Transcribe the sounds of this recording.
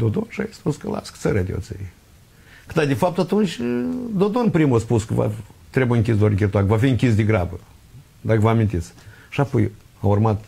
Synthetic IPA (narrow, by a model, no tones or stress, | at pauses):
d̪od̪o̞nʃa̰espuskəla̰skt̪səɾʲad̪ʲeo̰t̪sḛi | kɨd̪ad̪ʲefap̚t̪at̪unt͡ʃʲd̪o̞d̪o̞npɾimuaspuskəva̰t̪ɾebujiɨŋkʲisd̪oaɾkʲirt̪oakəvafiɨŋkʲis̬d̪ʲeɡɾabə | d̪akəvəamint̪it̪s | ʃapoj | aurmat̪